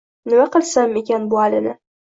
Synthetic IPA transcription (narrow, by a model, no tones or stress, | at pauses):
nɪmaqɨlˠsame̞kʲanbʊalɪnɪ